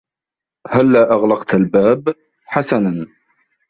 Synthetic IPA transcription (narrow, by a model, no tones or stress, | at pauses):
halːaːʔaɣlɑqt̪albaːb | ħasanan